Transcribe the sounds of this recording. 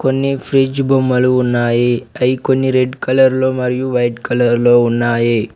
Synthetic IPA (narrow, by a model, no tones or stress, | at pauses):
ko̞nːipʰɾid͡ʒbomːɐluːnːaːjiɐjkonːiɾeɖkɐlɐɾloːmɐɾijuʋɐjʈkɐlɐɾloːunːaːji